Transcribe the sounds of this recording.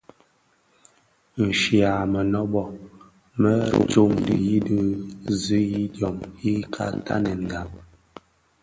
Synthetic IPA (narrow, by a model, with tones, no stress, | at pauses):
n̩˨ʃi˨a˨mə˨nɔ˦bɔ˨ | mə˦t͡ʃo˦˨mdḭ˨ji˦də˦zi˦ji˦djɔ˨mi˦kʰa̰˦ta̰˦nɛ˨ŋ˨ɡa˨p̚